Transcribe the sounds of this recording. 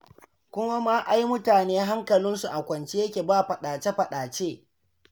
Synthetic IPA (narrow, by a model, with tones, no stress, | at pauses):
kʷʊ˦ma˦ma˦ʔa˦jmʊ˦taː˨neː˦ɦa˦ŋkɐ˨lɪ˦nsu˨ʔa˨kʷɐ˨nt͡ʃe˦jɐ˦kʲeː˨baː˦˨ɸɐ˨ɗaː˨t͡ʃe˦ɸɐ˨ɗaː˨t͡ʃeː˦